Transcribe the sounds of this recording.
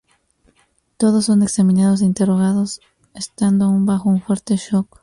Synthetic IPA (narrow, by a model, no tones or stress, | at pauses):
t̪o̞ðo̞sːo̞ne̞ksamĩnað̞o̞s̬eint̪e̞ro̞ɣ̞aðo̞s | est̪and̪oaumbaxo̞uɱfwe̞ɾt̪e̞ʃo̞k